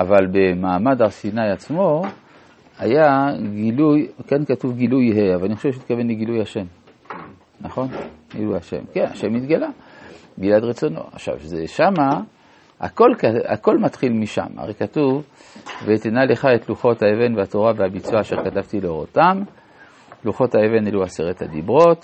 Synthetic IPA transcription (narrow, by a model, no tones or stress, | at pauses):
ʔavalbemaːmadaʁsinajat͡smo̞ | hajaɡilujkankatuvɡilujɦeavalaniχoʃevʃ̬et̪̚kave̞nleɡilujaʃe̞m | naχo̞nɡḭlujaʃe̞̰mkena̰ʃemːit̪ɡalabiladʁet͡so̞no̞̰a̰χʃa̰vzeʃama | a̰ko̞lkaa̰ko̞lmatχilmiʃa̰ma̰ʁekatuv | vet̪enale̞χaetluχo̞thaeve̞nveato̞ʁaveabit͡suaːʃeʁkatavtileoʁotam | luχo̞thaeve̞neluaseʁethadibʁo̞t